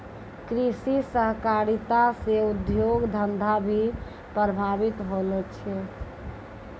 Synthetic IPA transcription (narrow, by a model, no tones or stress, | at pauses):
kɾisisəɦkaɾit̪aseud̪joɡd̪ʱənd̪ʱabʱi | pəəbʱabit̪ɦolɛt͡ʃʰɛ